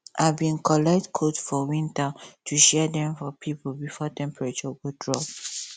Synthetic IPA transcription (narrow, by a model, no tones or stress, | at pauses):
ʔavbĩnkʰɔlɛk̚tkʰotfɔwĩntatʰuʃɛdɛ̃mfɔpʰiplbifɔtʰɛ̃mpɹat͡ʃɔɡodɹɔp